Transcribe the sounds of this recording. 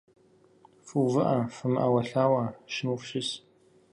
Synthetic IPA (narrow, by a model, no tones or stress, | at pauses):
fɨwvɨʔɐfɨmʔɐ̰wɐɬaːwɐʃɪnufʃɪs